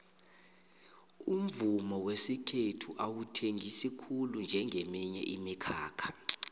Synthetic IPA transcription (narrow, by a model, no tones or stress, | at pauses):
um̩vumɔwesikʰetʰuʔawutʰeŋɡʱisikʰulund͡ʒʱɛŋʱemiɲɛ̰ʔimikʰaːkʰḁ